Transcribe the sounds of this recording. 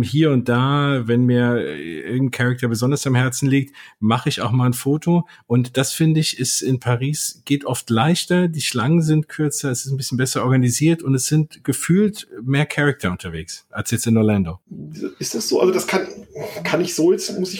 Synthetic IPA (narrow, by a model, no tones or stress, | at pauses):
hiːɐʊnt̚d̥aːvɛnmiːɐʔɪɐɡŋ̩n̩kʰɛʁɛk̚tʰɐbəzɔndɐsamhɛɐt͡sn̩liːk̚tmaχəɪça̰ʊxmaːlnfoːtʰo | ʔʊntd̥asfɪndəɪçɪsɪnpʰaʁiːsɡ̥eːtʔɔftlaɪçtɐdiːʃlaŋənzɪntkʰʏɐt͡sɐɛsɪstn̩bɪsçnbɛsɐʔɔɐɡaniziːɐtʊntɛsz̥ɪntɡ̥əfyːltmeːɐkʰɛʁɛk̚tʰɐʊntʰɐveːksʔalsjɛt͡stɪnːolandoːɪstd̥asz̥oːʔa̰lzodaskʰankʰanɪçz̥oːjɛt͡smʊsɪç